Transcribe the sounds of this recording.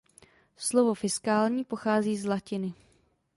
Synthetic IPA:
slovofɪskaːlɲiːpoxaːziːzlacɪnɪ

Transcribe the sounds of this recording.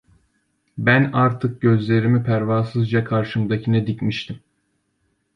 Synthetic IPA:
bænaɾt̪ʰɯk̚ɟø̞zlʲe̞ɾimipʰæɾvaːsɯzd͡ʒakʰaɾʃɯmd̪acʰinɛd̪icmiʃt̪ʰim

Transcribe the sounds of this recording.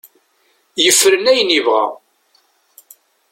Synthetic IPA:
jəfːəɾənæjənivʁæ̰

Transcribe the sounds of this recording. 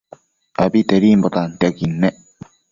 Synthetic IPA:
abit̪eɾimbot̪ant̪eakinːe

